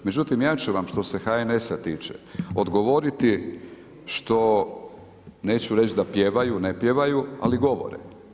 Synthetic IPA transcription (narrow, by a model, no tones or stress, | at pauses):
me̞d͡ʑut̪imjaːt͡ɕuʋamʃt̪o̞se̞xaene̞sat̪iːt͡ʃḛod̪ɡo̞ʋo̞ɾit̪i | ʃt̪o̞ | ne̞ːt͡ɕuɾe̞t͡ʃd̪apjeʋajunepje̞ʋajua̰liɡo̞ʋo̰ɾḛ